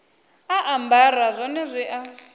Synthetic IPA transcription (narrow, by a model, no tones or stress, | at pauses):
aʔambarazʷɔnɛzʷiʔa